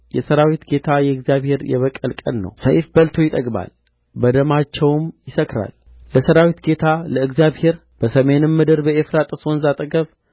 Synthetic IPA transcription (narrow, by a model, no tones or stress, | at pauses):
jɛsəɾawit̪ɡe̞t̪ʰajɛɨɡzijaβhe̞ɾjɛ̰βəkʼːəlkʼə̰nːə̰wsəjfbəlt̪ʰo̞jɪt̪ʼəɡʼba̰l | bəd̪əmat͡ʃːɛwmjɪsəkɾa̰l | ləsəɾawit̪ɡe̞t̪ʰaləɨɡzjaβhe̞ɾ | b̥əsəme̞nɨmːɨd̪ɨɾbəefɾat̪ʼɨsonzat̪ʼəɡəβ